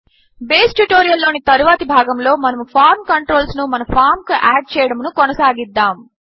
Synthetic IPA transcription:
beːsʈuʈoːɾijɐlːoːnit̪ɐɾuʋaːt̪ibʱaːɡɐmlo̞ːmɐnɐmupʰaːɾmkɐɳʈɾo̞ːlsnumɐnɐpʰaːɾmkuʔaːɖ̚t͡ʃɛːjɐɽɐmnukɔnɐsaːɡid̪ːaːm

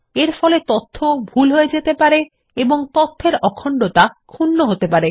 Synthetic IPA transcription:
eɾfɔlet̪ot̪ʰːobʱulɦoed͡ʑet̪epaɾe | eboŋt̪ot̪ʰːeɾɔkʰːɔɳɖot̪akʰunːoɦot̪epaɾe

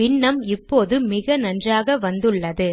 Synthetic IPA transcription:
ɪɳːɐmɪpːoːðɯmɪɣɐnɐndraːɣɐʋɐnd̪ɯɭːɐðɯ

